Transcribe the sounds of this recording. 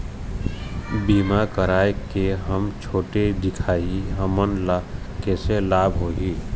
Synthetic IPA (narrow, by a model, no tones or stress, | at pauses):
biːmakəɾaːjekeɦəmt͡ʃʰoːʈed̪ɪkʰaːiɦəmənla | kɛːselaːbɦoːɦiː